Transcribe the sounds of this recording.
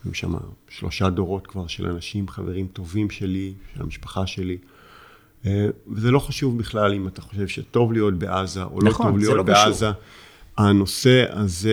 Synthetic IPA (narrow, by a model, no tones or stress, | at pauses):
ḭmʃa̰ma̰ʃlo̞̰ʃado̞ʁo̞tkvaʁʃelʔa̰naʃimχaveʁimto̞vimʃe̞liʃela̰miʃpḁχaʃe̞li | evezelo̞χaʃuvbiχlalimataχo̞̥ʃe̞vʃeto̞vlijo̞t̚be̞ʔazaʔo̰loovlijotbeaza | ano̞se̞a̰ze